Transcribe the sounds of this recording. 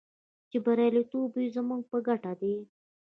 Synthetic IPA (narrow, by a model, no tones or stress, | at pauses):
t͡ʃebaɾalet̪ubujzəmuɡ̚pəɡaʈad̪e